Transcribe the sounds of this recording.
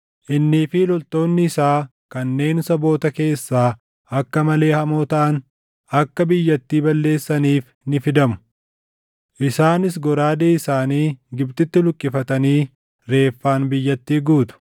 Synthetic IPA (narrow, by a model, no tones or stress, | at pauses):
ʔɪnːiːfɪlɔlt̪o̞ːnːɪːsaː | kɐnːe̞ːnʊsɐbo̞ːt̪ɐke̞ːsːaː | ɐkːɐmɐle̞ːhɐmoːt̪ɐʔɐn | ɐkːɐbɪjːɐt̪ːiːbɐlːe̞ːsːɐniːf | nɪfɪd̪ɐmʊ̥ | ʔɪsaːnɪs̬ɡɔɾaːd̪eːɪsaːniːɡɪbt̪ɪt̪ːɪlʊkʼːɪfɐt̪ɐniː | ɾe̞ːfːaːnbɪjːɐt̪ːiːɡuːt̪ʊ̥